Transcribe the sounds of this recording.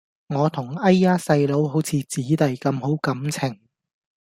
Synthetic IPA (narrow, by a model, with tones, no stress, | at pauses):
ŋɔː˨˧t̪ʰʊ˨˩ŋɐ˥jːaː˥sɐ˧jlo˨˥wɦo˨˥wt͡sʰiː˨˧t͡siː˨˥t̪ɐ˨jkɐ˧mho˨˥wkɐ˨˥mt͡sʰɪ˨˩ŋ